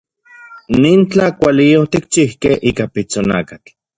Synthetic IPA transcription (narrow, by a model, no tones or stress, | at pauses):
niːnt͡ɬakʷaliot̪ikt͡ʃihkehʔiːkapit͡sona̰kat͡ɬ